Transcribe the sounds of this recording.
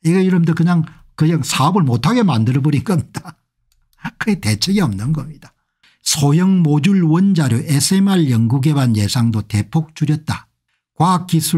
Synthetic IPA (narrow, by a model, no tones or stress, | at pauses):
iɡʌjɯɾʌmdʌkɯɲaŋ | kɯɲaŋsʰaʌbɯɭmotʰaɡe̞mandɯɾʌbʌɾinɡʌmɲid̥a | kɯɡete̞t͡ɕʰeɡiʌmnɯnɡʌmɲid̥a | sʰojʌŋmod͡ʑuɭwʌnd͡ʑaɾjoʔesʰɯemaɭjʌŋɡuɡe̞banje̞sʰaŋdote̞pʰok̚t͡ɕuɾjʌt̚t͈a | kwakisʰu